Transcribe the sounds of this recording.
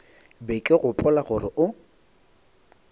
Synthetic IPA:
bɛkʼɪɣʊpʼʊlaɣʊrɪʔʊ

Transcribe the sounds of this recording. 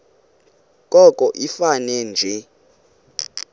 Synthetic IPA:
kʼɔkʼɔʔifanɛnd͡ʒʱɛ

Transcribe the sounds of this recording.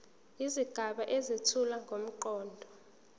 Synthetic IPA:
iziɡ̥ʱaɓaʔezitʰulaŋɡʱom̩ǃɔːndʱɔ

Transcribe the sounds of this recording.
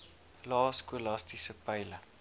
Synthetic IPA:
lɑːskulɑstisəpɐjlə

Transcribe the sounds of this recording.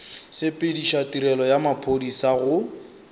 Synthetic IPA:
sɪpʼɪdiʃatiɾɛlɔjamapʰodisaɣʊ

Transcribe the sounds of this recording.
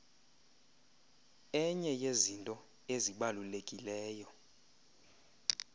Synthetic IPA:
ɛɲɛjezintʼɔ | eziɓalulekʼilɛːjɔ

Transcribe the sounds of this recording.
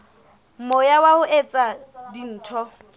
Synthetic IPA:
m̩mojawaʊʔet͡sʼadin̩ːtʰɔ

